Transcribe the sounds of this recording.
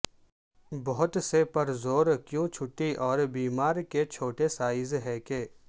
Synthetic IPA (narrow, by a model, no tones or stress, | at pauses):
bɔɦʊt̪sepɐɾzoːɾkjõt͡ʃʰʊʈːiʔɔːɾbiːmaːɾket͡ʃʰoːʈesaːɪzɦɛkeː